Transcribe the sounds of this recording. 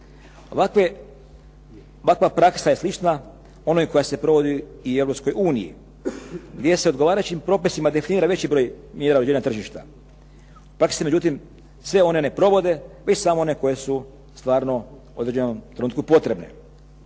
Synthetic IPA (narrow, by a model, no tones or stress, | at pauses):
ake | oʋakʋapɾaksaje̞slit͡ʃna | o̞nojko̞jase̞pɾo̞ʋo̞d̪iie̞ʋɾopsko̞juːnijḭ | ɡd̪ʲje̞se̞o̞d̪ɡo̞ʋaːɾat͡ɕimpɾo̞pisimad̪e̞finiːɾaʋe̞t͡ɕibɾo̞ːj | mjeːɾaouɾed͡ʑeɲat̪r̩ʒiʃt̪a̰ | pɾaksime̞d͡ʑut̪im | sʋe̞o̞ne̞ne̞pɾo̞ʋo̞d̪e̞ʋe̞t͡ɕsamoo̞ne̞ko̞je̞su | st̪ʋaːɾno̞ | od̪ɾed͡ʑenomt̪ɾenuːt̪kupo̞t̪ɾe̞bne̞̰